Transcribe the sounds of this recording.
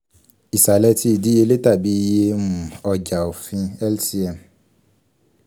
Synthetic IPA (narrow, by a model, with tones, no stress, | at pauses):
i˨sa˨lɛ˦ti˦˨di˦je˦˧le˦ta˦˨bi˦je˦mũ˨ɔ˧d͡ʒa˨o˨fĩ˧ɛ˦lsi˦ɛ˨m